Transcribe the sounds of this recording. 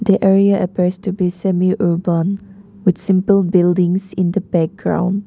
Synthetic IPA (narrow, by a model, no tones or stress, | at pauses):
diʔɛɹiəʔəpistubisɛmiʔubə̃n | wɪtsɪ̃mpəlbɪldɪ̃ŋsɪ̃ndəbɛk̚ɡɹã̰w̃nd